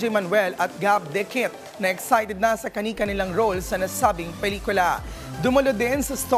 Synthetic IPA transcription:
ɛjmɐnwɛlʔɐt̪̚ɡab̚d̪ɛkɪt̪̚ | nɐɛksajt̪ɛd̪̚nɐsɐkɐnikɐnɪlaŋɾolsɐnɐsaːbɪŋpɛliːkʊlɐd̪ʊmɐlod̪ɪnsɐst̪o

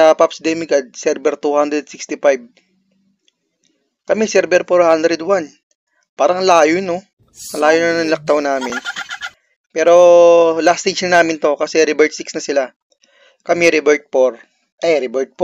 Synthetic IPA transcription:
ɐpapsd̪ɛmɪkɐd̪̚sɛɾbɛɾt̪uhand̪ɾɛd̪̚sikst̪ɪfajb̚ | kɐmɛsɛɾbɛɾfoɹhand̪ɾɛd̪wan | paːɾɐŋlaːjono | ʔɐŋlaːjonɐnɐŋlɐk̚t̪ɐwnaːmɪn | pɛːɾo̞last̪ejd͡ʒnɐnaːmɪnt̪o̞kɐsɛɾɪbɛɹt̪̚sɪksnɐsɪla | kɐmɛɾɪbɛɹt̪̚foɾ | ʔɛjɾɪbɛɹt̪̚p

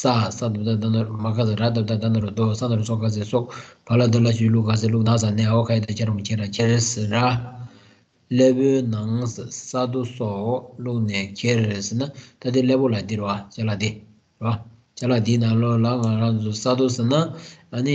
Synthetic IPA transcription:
sasat̪ot̪ad̪anamakʰas̬aɾat̪at̪ad̪anaɾod̪osanaɾosɔkʰas̬esoʔpʰalad̪əlat͡ɕiluʔkas̬eluʔ̚nas̬aneːaokʰajet̪at͡ɕʰeɾaŋot͡ɕʰeɾakʰeɾesra | leːpøːnaŋssat̪̬osɔʔluʔnɛːkʰeresenat̪ad̪ileːpolad̪iɾewat͡ɕalad̪i | rea | t͡ɕalat̪iːnaŋlɔːlaŋaɾaŋt͡sʰusat̪osenaʔəni

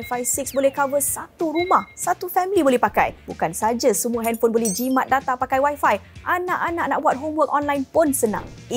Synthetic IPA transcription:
fajsik̚sbolɛhkavəsat̪uɾumahsat̪ufɛmlibolɛhpaka̰jbukansad͡ʒasəmũaɦɛnfonbolɛhd͡ʒimãt̪̚dat̪apakajwajfajʔanaʔanaʔ̚naʔ̚buat̪̚ɦomwək̚ɔnlajnpʊnsənã̰ŋ

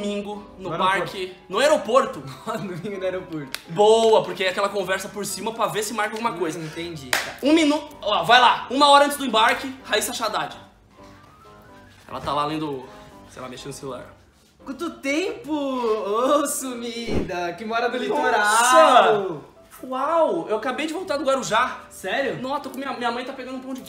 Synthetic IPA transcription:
mĩŋɡʊnʊpaɾkɪnʊaeɾopoɾt̪ʊɔd̪omĩɡʊnɛɾopoɾt̪ʊ̥bowɐpoɾkeɛakɛlɐkõvɛɾsɐpoɾsĩmɐpɾɐvesɪʊmaɾkɪawɡũmɐkojzɐẽt̪ẽd͡ʒiũmĩnuɔvajlaũmɐɔɾɐɐ̃tt͡ʃɪzdʊẽbaɾkɪhaisaʃad̪ad͡ʒɪ | ɛ̰lɐ̰t̪alalẽj̃d̪ʊsejla̰meʃẽnd̪ʊselula̰ɾ | kwɐ̃t̪ʊt̪ẽpʊosumid̪ɐkɪmɔɾɐd̪ʊlit̪ɾa | wawewakabejd͡ʒɪvõwt̪aɾd̪ʊɡwaɾʊʒasɛɾjʊnɐ̃t̪okõmĩɐmĩɲɐmɐ̃j̃t̪apeɡɐ̃d̪ʊpõd͡ʒɪ

